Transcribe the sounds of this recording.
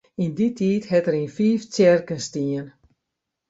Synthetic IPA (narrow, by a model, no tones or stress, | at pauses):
inditʰiːthɛtəɾinfiːft͡sɛrkənstiːən